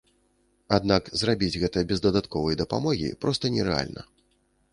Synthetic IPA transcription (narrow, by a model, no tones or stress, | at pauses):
ad̪nakzrabʲid͡zʲɣɛt̪ɨjɐbʲɛzd̪ɐd̪at̪kɔvɐjɐd̪ɐpa̰mɔɣʲḭpɾɔst̪ɐnʲɛɾɛa̰lʲnɐ̰